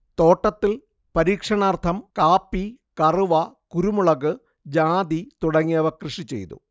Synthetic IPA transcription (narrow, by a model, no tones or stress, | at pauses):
t̪o̞ːʈːɐt̪ːil | pɐɾiːkʂɐɳaːrt̪ʰɐmkaːpːikɐruʋɐkuɾumuɭɐɣɨ | d͡ʑaːd̪it̪uɽɐŋːiɐʋɐkrɨʂit͡ɕe̞̰jt̪ṵ